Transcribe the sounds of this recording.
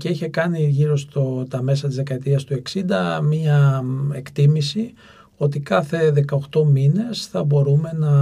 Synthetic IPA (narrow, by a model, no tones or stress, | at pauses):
ceiçe̞kɐniʝiɾo̞st̪ot̪ɐme̞sɐt̪izðe̞kɐet̪iɐst̪ue̞ksind̪ɐmɲɐe̞kt̪imisi | o̞t̪ikɐθe̞ðe̞kɐoxt̪o̞mine̞sθɐbo̞ɾume̞nɐ